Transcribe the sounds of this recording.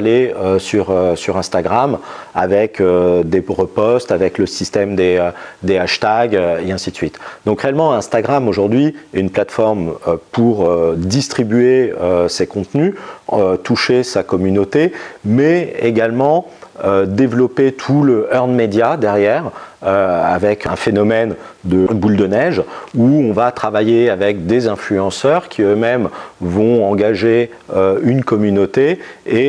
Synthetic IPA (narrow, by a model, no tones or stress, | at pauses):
leøsyʁøsyʁɛ̃st̪aɡʁama̰vɛkød̪eʁəpɔst̪avɛkləsist̪ɛmd̪eød̪eaʃt̪aɡeɛ̃sid̪əsɥit̪d̪ɔ̃kχeɛlmɑ̃ɛ̃st̪aɡʁamoʒuʁd̪ɥiynplat̪fɔʁmøpʰuʁød̪ist̪χibyeøsekɔ̃t̪nyøt̪uʃesakɔmynot̪emɛeɡalmɑ̃ | ød̪evlɔpet̪ʰuləʔœʁnmed̪jad̪ɛʁjɛʁøa̰vɛkɛ̰̃fenɔmɛn | d̪əbuld̪ənɛʒuɔ̃vat̪χavajeavɛk̚d̪ezɛ̃flyɑ̃sœʁkʲʰiømɛmvɔ̃ɑ̃ɡaʒe | øynkɔmynot̪ee